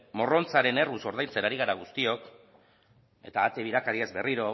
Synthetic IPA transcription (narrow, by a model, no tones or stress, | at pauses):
mo̞ro̞nt͡saɾe̞ne̞ruso̞ɾðajnt͡senaɾiɣaɾaɣ̞ust̪io̞k | e̞̰t̪aːt̪eβiɾakaɾiezbe̞riɾo̞